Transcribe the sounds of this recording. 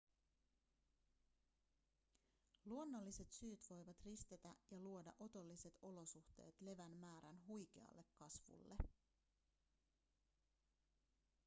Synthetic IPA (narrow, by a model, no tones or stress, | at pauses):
luo̞nːo̞lːise̞t̪syːt̪ʋo̞jʋɑt̪rist̪e̞t̪æjɑluo̞dɑ̰ʔo̞t̪o̞lːise̞t̪o̞lo̞suxt̪e̞̰ːt̪le̞ʋænmæːɾænɦujk̟eɑ̰lːe̞kːɑsʋṵlːe̞